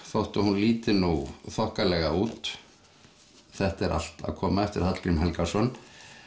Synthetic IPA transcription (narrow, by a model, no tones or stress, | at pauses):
θowht̪ahunliːt̪ɪnuθɔhkalɛɣauːt̪ | θɛht̪ɛɾʔa̰l̥t̪a̰ðkʰɔːmaɛft̪ɪɾ̥hat̪lɾimɦɛlkasɔn